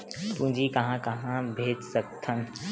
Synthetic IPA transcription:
pũd͡ʒikɐɦãkɐɦãbʱeːd͡ʒsək̚t̪ʰən

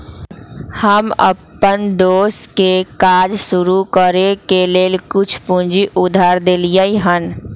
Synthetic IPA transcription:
həmə̰pːənd̪oːskekaːd͡ʒsʊɾukəɾekeleːlkʊt͡ʃʰpũnd͡ʒiʔʊd̪ʱaːɾd̪elijəiɦən

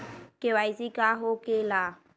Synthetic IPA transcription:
kewaizikaɦokela

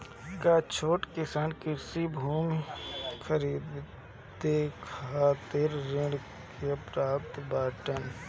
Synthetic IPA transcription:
kaːt͡ʃʰoːʈkɪsaːnkɪɾsibʱuːmkʰəɾiːd̪ | t̪ekʰaːt̪ɪɾːɪ̃ɽ | keɐpɾaːp̚t̪baːʈən

